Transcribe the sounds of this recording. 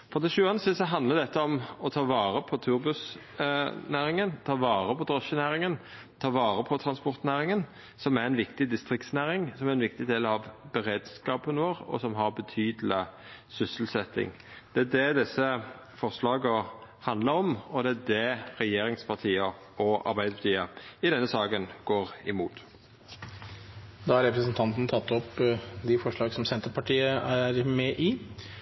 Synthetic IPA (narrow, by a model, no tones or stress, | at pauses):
fɔd̪ɛʃʉːɑnəsɪsɔɦɑnd̪ləd̪ɛt̪ːəɔmɔt̪ʰɑːʋɑːɾəpʰɔt̪ʰʉɾbʉs | næːɾɪŋənt̪ʰɑːʋɑːɾəpʰɔd̪ʁɔʃənæːɾɪŋən | t̪ʰɑːʋɑːɾəpʰɔt̪ʰɾɑnspɔɾt̪næːɾɪŋən | sɔmæɾɛnʋɪkt̪ɪd̪ɪst̪ɾɪk̚t̪snæːɾɪŋsɔmæɾɛnʋɪk̚t̪ɪd̪eːlɑʋbɛɾeːd̪skɑːpənəʋoːɾɔ̰sɔmɦɑʁbət̪ʰyːd̪əlɪ | sʏsəl̩sɛt̪ːɪ̰ŋ | d̪̥ɛæd̪ɛd̪ɛsːə | fɔʁʂlɑːɡəhɑnd̪ləɾɔmɔd̪ɛæd̪ɛɾɛjeːɾɪŋspʰɑʁt̪ʰiːə | ɔʔɑ̰ɾbæɪd̪əpʰɑt̪iːəɪd̪ɛnːəsɑːɡənɡ̥oːɾɪmuːt̪ | d̪ɑːhɑɾɛpɾəsənt̪ʰɑnt̪n̩t̪ʰɑt̪ːɔpd̪ɪfɔʂɭɑːɡsɔmsɛnt̪əɾpɑʈiːəæɾmɛʔi